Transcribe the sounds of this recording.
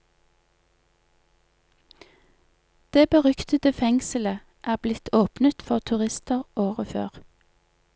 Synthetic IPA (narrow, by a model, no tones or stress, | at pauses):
d̪̥eːbəʁʏkt̪ət̪əfɛŋsəl̩ə | ʔæːblɪt̪ʰoːpnət̪fɔʁt̪ʰʉʁɪst̪əʁʔoːʁəfø̰ːʁ